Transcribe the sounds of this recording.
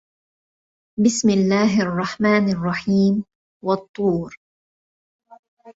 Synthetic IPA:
bɪsmɪlːaːɦʔɑrˤːɑħmaːnɑrˤːɑħiːm | wɑt̪ˤːuːɾ

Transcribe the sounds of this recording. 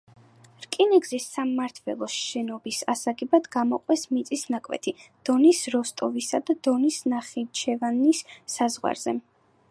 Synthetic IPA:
ɾkʼiniɡzisamːaɾt̪ʰvɛ̰lˠɔʃɛnɔbisasaɡɛbad̪̥ɡamɔqʼwɛsmit̪sʼisnakʼwɛ̰t̪ʰid̪̥ɔnisɾɔst̪ʼɔvisad̪ad̪̥ɔnisnaχit͡ʃʰɛvanisːazʁwa̰ɾz̥ɛ

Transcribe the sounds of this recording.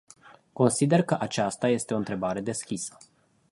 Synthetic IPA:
ko̞nsid̪e̞rkəʔat͡ʃast̪aje̞st̪eo̞ɨnt̪ɾe̞baɾe̞d̪e̞skʲisə̥

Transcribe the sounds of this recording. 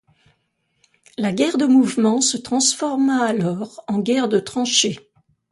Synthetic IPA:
laɡʲɛʁd̪əmuvmɑ̃sət̪χɑ̃sfɔʁmaːlɔːʁɑ̃ɡʲɛʁd̪ət̪χɑ̃ʃe

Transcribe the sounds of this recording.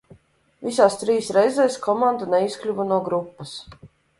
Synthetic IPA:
visaːst̪ɾiːsɾɛjzɛːskʰɔmand̪unɛisklʲuvunuɔɡɾupːɐs

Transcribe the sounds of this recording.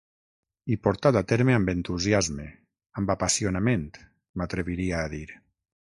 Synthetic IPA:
ipoɾt̪at̪at̪eɾmeambent̪uzjazme | ambapasionamẽnt̪ | mat̪ɾeβiɾiaːðiɾ

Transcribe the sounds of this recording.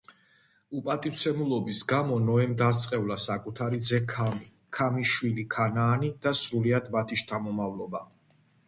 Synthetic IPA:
upʼat̪ʼiwt̪sʰɛmulˠɔbisɡamɔnɔɛmd̪ast̪sʼqʼɛvlasakʼut̪ʰaɾid̪zɛkʰami | kʰamiʃwilikʰanaːnid̪̥asɾuliad̪mat̪ʰiʃt̪ʰamɔmavlɔba

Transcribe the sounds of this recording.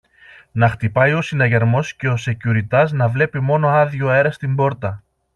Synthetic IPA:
nɐxt̪ipɐjo̞sinɐʝɐɾmo̞sce̞o̞se̞cuɾit̪ɐznɐvle̞pimo̞no̞ɐðʝoe̞ɾɐst̪imbo̞ɾt̪ɐ

